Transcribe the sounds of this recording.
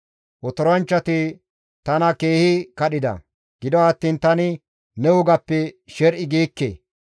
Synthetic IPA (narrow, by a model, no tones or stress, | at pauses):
ʔɔt̪ɔɾɐnt͡ʃːɐt̪ɪ | t̪ɐnɐke̞ːhɪkɐɗɪd̪ɐ̰ | ɡ̥ɪd̪ɔɐt̪ːiːnt̪ɐnɪ | nɛʊɡɐpːɛʃɛɾʔɪɡiːkːḛː